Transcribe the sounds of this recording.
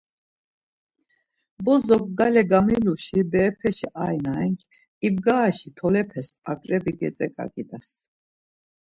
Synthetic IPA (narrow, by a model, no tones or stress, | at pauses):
bɔzɔkʼɡalɛɡamiluʃibɛːpʰɛʃiʔajnaɛŋkʰʼ | ib̚ɡaːʃit̪ʰɔlɛpʰɛsakʼɾɛbiɡɛ̰t͡sʼɛkʼa̰ɡid̪as